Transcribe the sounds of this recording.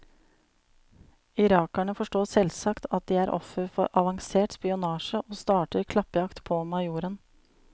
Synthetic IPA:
ɪɾɑːkæɳəfɔʂʈoːsɛlsɑkt̪ʰɑt̪̚d̪iːæːɾʔɔ̰fəɾfɔɾʔɑʋɑŋseːʈspɪʊnɑːʃəʔoːst̪ɑːʈəɾkʰlɑpəjɑkt̪pʰɔːmɑɪjuːɾən

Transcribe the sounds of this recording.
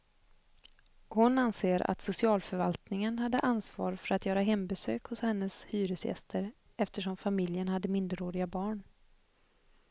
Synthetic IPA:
hʊnanseːɾa̰t̪sʊsɪɑːlfœɾvalt̪nɪŋənɦad̪ːəʔansvɑ̰ːɾfœɾat̪jœːɾaɦɛmbɛsø̰ːkhʊshɛnːəshyːɾɵsjɛ̰st̪ʰəɾ | ɛft̪əʂɔmfamɪljənhad̪ːəmɪnd̪əɾoːɾɪɡabɑːɳ

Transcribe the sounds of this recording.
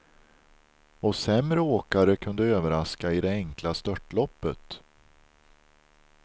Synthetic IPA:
ɔsɛmɾəoːkaɾəkʰɵnd̪əøːvəɾaskaɪd̪ɛɛŋklast̪œʈːlɔpːət̪

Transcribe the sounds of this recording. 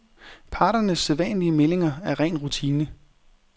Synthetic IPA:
pʰɑ̈ːɾɐnəsːeðˠʋɛ̰nliəmele̝ŋɐæɐʁɛ̰ːnʁut͡sʰiːnə

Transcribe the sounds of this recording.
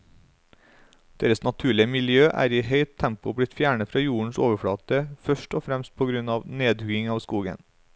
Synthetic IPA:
d̪̥eːɾəsnɑt̪ʰʉːɭɪəmɪljøːʔæ̰ːɾiːhœʏt̪ʰːæmpʊbɽɪt̪fjæːɳəfɾɑːjuːɳ̩soːʋəfɽɑːt̪əfœʃʈoːfɾɛmst̪̚pʰoːɡɾʉnɑːʋneːd̪ʉɡɪŋɑːʋskuːɡə̰n

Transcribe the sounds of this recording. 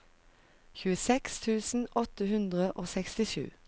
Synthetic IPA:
çʉːəsɛkst̪ʰʉːsn̩ʔɔt̪əhʉnd̪ʁəʔoːsɛkst̪ɪʃʉ̰ː

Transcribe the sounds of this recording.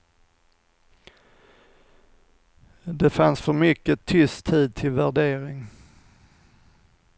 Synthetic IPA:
d̪ɛfansfœɾmʏkːət̪ʰʏst̪ʰiːd̪̚t̪ʰɪlvæɖeːɾɪŋ

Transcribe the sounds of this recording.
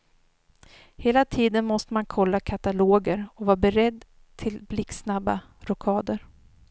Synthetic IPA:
heːlat̪ʰiːd̪ənmɔst̪əmankʰɔlːakʰat̪aloːɡəɾɔvɑːɾbɛɾɛd̪ː | t̪ʰɪlblɪksnabːa | ɾɔkʰɑːd̪əɾ

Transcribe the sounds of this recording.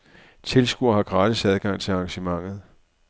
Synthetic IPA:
t͡sʰe̝lsɡ̥uɐɦɑ̈ɡ̥ʁɑ̈ːd̥isæð̞ˠɡ̥ɑ̈ŋ̰t͡sʰe̝lɑ̈ŋɕəmɑ̈ŋ̰ð̞̩ˠ

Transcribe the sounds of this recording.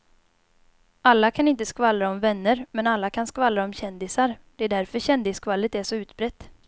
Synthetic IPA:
alːakʰanɪnt̪əskvalːaɔmvɛnːəɾmɛnalːakʰanskvalːaɔmɕɛnd̪ɪsaɾd̪ɛæɖæɾfœɾɕɛnd̪ɪskvalːət̪æʂɔʉ̟ːt̪bɾɛt̪ː

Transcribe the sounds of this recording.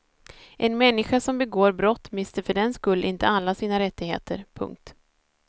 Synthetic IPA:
ʔɛnmɛnːɪɧasɔmbɛɡoːɾbɾɔt̪ːmɪst̪əɾfœɖɛnskɵlːʔɪnt̪əalːasiːnaɾɛt̪ːɪɡhḛːt̪ə̰ɾpʰɵ̰ŋk̚t̪

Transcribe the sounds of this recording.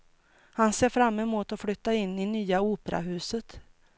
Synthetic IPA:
hanseːɾfɾamːɛmuːt̪ɔflʏt̪ːaɪnːɪnyːauːpəɾa̰ɦʉ̟ːsət̪

